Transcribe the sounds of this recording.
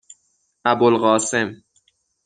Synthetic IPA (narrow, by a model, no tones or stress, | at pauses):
ʔæbolɢɒːse̞m